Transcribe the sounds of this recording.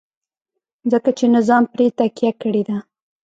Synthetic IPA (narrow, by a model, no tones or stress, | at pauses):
zəkat͡ʃenɪzɑmpɾet̪akjakəɽed̪a